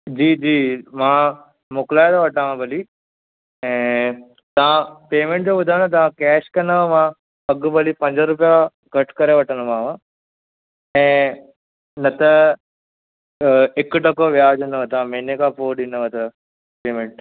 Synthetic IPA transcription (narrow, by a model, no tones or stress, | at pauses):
d͡ʑiːd͡ʑiːmãː | moklaːjd̪oʋɐʈãmãbɐli | ɛ̃ː | t̪ɐãpeːmẽɳʈ̚d͡ʑoːbɐd̪ʱaːnɐt̪̬ɐʋãkɛːʃkɐnəmã | ɐɡbɐlipɐ̃ɲd͡ʑəɾup̬ja | ɡʱɐʈkɐɾeʋɐʈənomãːʋã | ɛ̃ː | nɐt̪ɐ | ekʈɐkoːʋjaːd͡ʒunəʋɐt̪ãmenekapoːɖinəʋɐt̪ɐ | peːmẽɳʈ